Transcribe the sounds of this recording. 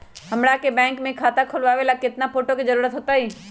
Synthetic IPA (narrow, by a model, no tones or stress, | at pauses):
hɐmɽakebɛ̃ːŋkmẽkʰaːt̪akʰʊlʋaːʋelakɪt̪napʰoːʈokizɐɾuːɾət̪ɦoːt̪aɦiː